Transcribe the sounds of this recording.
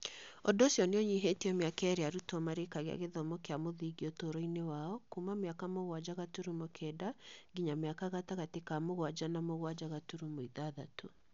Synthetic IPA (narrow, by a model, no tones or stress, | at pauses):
ɔdɔsiɔneɔɲiɦetiɔmeakɛɾeaɾutɔmaɾekaɣea̰ɣeðɔmɔkeamoðiɣiɔtoɾɔinewaɔkumameakamoɣwad͡ʒaɣatuɾumokʰɛdaɡiɲameakaɣataɣatekamoɣwad͡ʒanamoɣwad͡ʒaɣatuɾumoiðaðato